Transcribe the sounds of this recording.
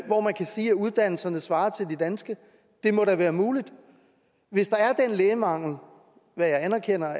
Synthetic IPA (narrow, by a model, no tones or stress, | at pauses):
ʋɒmænkʰæsiːæuð̞ˠd̥æn̰l̩sɐnəsʋɑ̈ːɐt͡sʰe̝ld̥id̥ænsɡ̥ə | d̥e̝mɒ̽ɾæʋæːɐmuːlid̥ | ʋe̝sd̥ɑ̈æɐd̥enleːɪəmɑ̈ŋ̰l̩ | ʋæjɑ̈ɪænɐkʰen̰ɐ